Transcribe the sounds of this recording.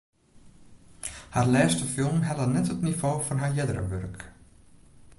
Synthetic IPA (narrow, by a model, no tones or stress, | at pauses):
harlɛːstəfɪlˠmɦɛlənɛthətnivoːfɔnɦaɹjɛdəɾə̰ʋø̰rk